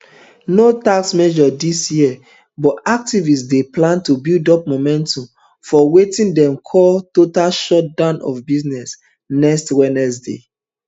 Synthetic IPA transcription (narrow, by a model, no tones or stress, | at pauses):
notaksmɛʒɔdisjiɛ | bɔtak̚tivisdeplãntubildɔp̚momɛ̃ntɔ̃m | fɔwetĩndɛ̃mkʰɔltotalʃɔt̚dãnɔ̰fbiznɛs | nɛkstwɛnɛs̬dḛ